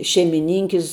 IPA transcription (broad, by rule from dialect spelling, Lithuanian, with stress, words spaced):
ʃʲɛɪmʲɪˈnʲɪŋʲkʲɪs